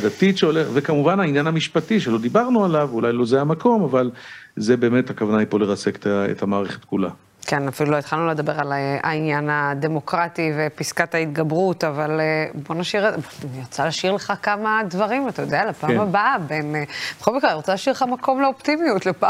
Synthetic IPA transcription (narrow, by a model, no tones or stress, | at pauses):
d̪at̪itʃeoleχvekamuvanainjanhamiʃpatiʃelo̞d̪ibaʁnualavulajlo̞zeajamako̞mavalzebe̞ːme̞thakavanajpo̞leʁat͡seke̥taḛthamaːʁeχe̥t̪kula̰ | kenafiluloitχalnule̞d̪abe̞ʁalea̰injanad̪e̞mo̞kʁative̞piskat̪hait̪ɡabʁutavalbo̞naʃiʁoaniot͡salaʃiʁleχakamadvɐʁimat̪ajod̪ealapaːmabaabe̞nbeχolmikʁaniʁot͡salaʃiʁleχamakʰo̞mleoptimijutlepa